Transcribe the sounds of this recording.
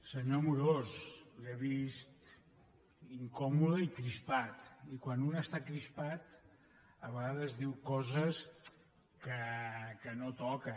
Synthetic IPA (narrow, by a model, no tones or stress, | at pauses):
səɲomuɾosleβist̪ | iŋkɔmuðəikɾispat̪ikwanunəst̪akɾispat̪ | əβəɣaðəzðiwkɔzəs | kəkənot̪ɔkə